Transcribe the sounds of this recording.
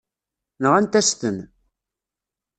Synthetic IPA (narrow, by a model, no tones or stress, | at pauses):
nəʁænt̪æst̪ən